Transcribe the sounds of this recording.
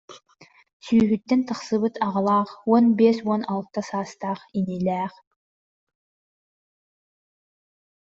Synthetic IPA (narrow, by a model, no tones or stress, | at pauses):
syːɦyt̪ːɛnt̪ʰɯχsɯβɯt̪ʰɑʁɑlˠaːχwɔnbesɔnalˠt̪ːasaːst̪aːχinilʲæːχ